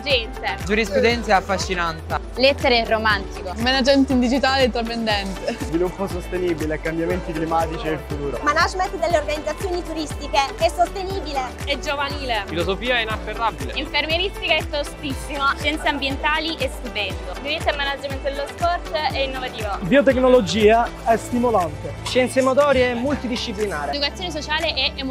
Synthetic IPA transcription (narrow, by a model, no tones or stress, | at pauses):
d͡ʒɛnt̪ed͡ʒuɾispɾud̪ɛnt̪seafːaʃːinant̪a | let̪ːeɾerːomant̪ikomenad͡ʒment̪ind̪id͡ʒit̪aːleet̪ːɾep̬end̪ɛnt̪ezvilupːosost̪eniːbilekːambjament̪iklimaːt̪it͡ʃielfut̪uːɾomanad͡ʒmet̪d̪elːeorɡanid̪zat̪sːjoːnit̪uɾist̪ikeɛsːost̪eniːbileɛd͡ʒovaniːlefilozofiːaɛinat͡ʃːerːabileiɱfermjeɾist̪ikaɛfost̪isːimaʃjɛnt̪seambjent̪aːliʔest̪ubɛnt̪od̪ivit̪ːemːanad͡ʒment̪d̪elospɔrt̪ɛinːovat̪iːvabiot̪̬ekːnolod͡ʒiːaɛst̪imolant̪eʃɛnt̪semot̪̬ɔːɾjeɛmːult̪id̪iʃːip̬linaːɾed̪ukat̪sːjoːnesot͡ʃaːleʔɛem